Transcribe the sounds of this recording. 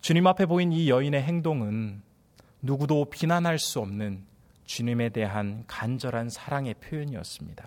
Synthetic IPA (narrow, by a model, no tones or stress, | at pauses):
t͡ɕuɲimapʰe̞boinijʌine̞ɦe̞ŋdoŋɯnː | uɡudopinanɦaɭs͈uʌmnɯn | t͡ɕuɲime̞de̞ɦankand͡ʑʌɾansʰaɾaŋe̞pʰjojʌɲiʌ̰s͈ɯmɲida